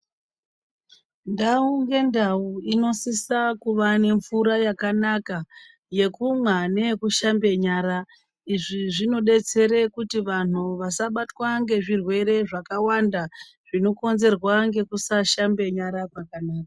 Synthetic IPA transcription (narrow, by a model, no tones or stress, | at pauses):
ndauŋɡe̞ndauino̞sisakuʋane̞ɱvuɾajakanaka | je̞kumwane̞kuʃambe̞ɲaːɾa | iʐiʐino̞ɗe̞t͡se̞ɾe̞kutiʋan̤uʋasaɓatwaŋɡe̞ʐirwe̞ɾe̞ʐakawanda | ʐ̥ino̞ko̞nze̞rwaŋɡe̞kusaʃambe̞ɲaɾakakanaːkḁ